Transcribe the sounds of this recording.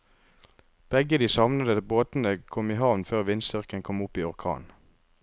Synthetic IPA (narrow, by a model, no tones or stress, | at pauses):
b̥ɛɡəd̪iːsɑʋnəd̪əboːt̪n̩əkʰɔmiːhɑːʋnføːʁʋɪnst̪ʏʁkənkʰɔmʊpiːɔʁkʰɑ̰ːn